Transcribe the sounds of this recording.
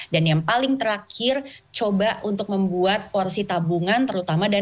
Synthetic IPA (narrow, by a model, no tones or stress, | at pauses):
danjaŋpalɪŋt̪əɾakʰɪrt͡ʃobaunt̪ʊk̚məmbuat̪̚porsit̪abuŋant̪əɾut̪amada